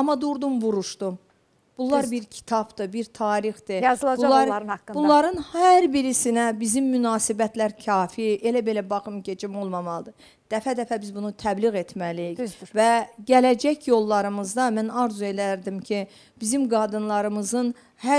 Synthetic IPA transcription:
ɑmːɑd̪uɾd̪umbuɾuʃd̪̥um | b̥ulˠːɑɾbiɾcʰi̥t̪ʰɑb̥d̪ɯbiɾt̪ʰɑːɾixd̪ɯbulˠɑɾbullˠɑɾɯnhæɾbiɾisinæbizimːynɑːsibæt̪læɾcʰɑːfiʔe̞læbe̞læbɑχɯmɟe̞d͡ʒimo̞lˠmɑmɑlˠɯd̪ɯ | d̪̥æfæd̪æfæbizbunut̪ʰæbliɣe̞t̪mælijiçvæɟælæd͡ʒæçjo̞lˠːɑɾɯmɯzd̪ɑmænɑɾzue̞læɾd̪imcʰi | b̥izimɡɑːd̪ɯnlˠɑɾɯmɯzɯn | hæ

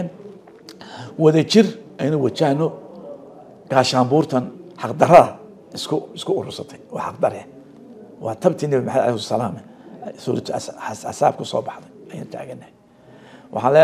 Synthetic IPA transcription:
n | wɐðɐt͡ʃɪrʔɛjnʊwɑt͡ʃahnɔ | ɡ̥aːʃaːmbuːrt̪ʰɐnħɑqd̪ɐɾɐðɐ | ɪskʰʊɪskʰʊʊɾʊsɐt̪ʰɛjwɑ̰ħɑq̚d̪ɐɾɛ | wɑːt̪ʰɐbt̪ʰiːnɛβimɑħad̪a̰lɛhʊsɐlaːmɛsuːɾɐt̪ʰsa̰saːb̚kʰʊsɔ̰ːbɑħd̪ɛɐja̰ːnt̪ʰa̰ːɣɐnːɛh | wʔɑ̰ħɑlɛ

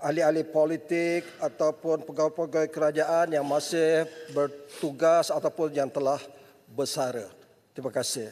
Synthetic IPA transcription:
alialipolit̪ɪk̚at̪awpʊnpəɡawpaɡɔjkəɾad͡ʒaʔanjaŋmasɪhbərt̪uɡasat̪awpʊnjaŋt̪əlah | bəsaɾə | t̪ɾimakasɪh

